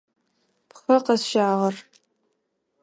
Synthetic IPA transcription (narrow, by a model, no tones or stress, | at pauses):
pχɐqɐsʃaːʁɐr